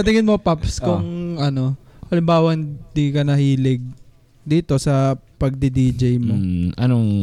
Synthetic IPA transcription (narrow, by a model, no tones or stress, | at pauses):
ɐt̪ɪŋɪnmopapskʊŋɐno̞ʔɐlɪmbaːwɐɪnd̪ikɐnɐhiːlɪɡ̚ | d̪iːt̪o̞sɐpɐɡ̚d̪ɪd̪iːd͡ʒɐjmoʔɐnoŋ